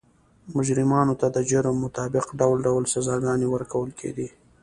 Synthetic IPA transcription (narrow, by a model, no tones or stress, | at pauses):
mʊd͡ʒɾɪmɑnot̪ad̪əd͡ʒəɾəmːʊt̪ɑbɪqɖawlɖawlsazɑɡɑnewəɾkʰawəlkʰḛd̪i